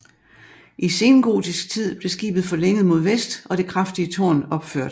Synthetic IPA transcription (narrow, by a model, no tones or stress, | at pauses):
ʔise̝ːnɡ̥o̝̰ːd̥isɡ̥̚t͡sʰið̰ˠb̥le̝sɡ̥ḭːb̥ð̞̩ˠfɒ̽leŋ̰əð̞̩ˠmo̝ð̞̰ˠʋesd̥ʔɒ̽ɾ̥e̝kʰʁɑfd̥iət͡sʰɒ̰ːnɒ̽b̥føɐ̰d̥